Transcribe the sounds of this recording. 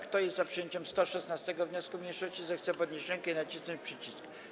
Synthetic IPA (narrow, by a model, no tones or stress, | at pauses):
kt̪ɔjɛst̪zapʂɨjeɲt͡ɕɛmst̪ɔʂɛsnast̪ɛɡɔvɲɔskumʲɲejʂɔɕt͡ɕizɛxt̪sɛpɔd̪ɲeɕɾɛŋkɛinat͡ɕisnɔɲt͡ɕpʂɘt͡ɕisk